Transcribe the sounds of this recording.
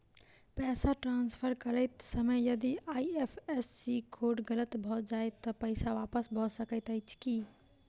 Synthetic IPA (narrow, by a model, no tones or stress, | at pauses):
pɛːsaʈɾãːnspʰəɾkəɾəɪt̪səməjjɐd̪iʔaːiepʰesːikʰoːɖɡələt̪bʱɔd͡ʒaːet̪ɔpəɪsaʋaːpəsbʱɔsəkət̪əɪt͡ʃʰki